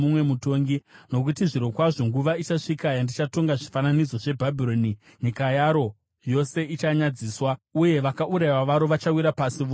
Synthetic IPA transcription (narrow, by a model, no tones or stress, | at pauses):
umwe̞muto̞ŋɡino̞kutiʐiɾo̞kwaʐo̞ŋɡuʋait͡ʃaʂikajandit͡ʃato̞ŋɡaʐifananid͡zo̞ʐe̞bʱabʱiɾo̞ni | ɲikajaɾo̞ | jo̞se̞it͡ʃaɲad͡ziːswauje̞ʋakaʔuɾajwaʋaɾo̞ʋat͡ʃawiɾapasiʋo